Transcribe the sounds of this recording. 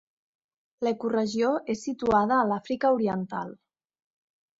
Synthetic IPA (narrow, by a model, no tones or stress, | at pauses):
ləkurəʒioʔesːit̪uað̞əːlafɾikəuɾiənt̪a̰lˠ